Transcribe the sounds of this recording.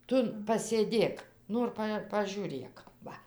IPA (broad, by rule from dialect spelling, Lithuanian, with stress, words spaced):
ˈtʊ pɐsʲeːˈdʲeːk ˈnoːr pɐ pɐʒʲuːˈrʲeːk ˈʋɐ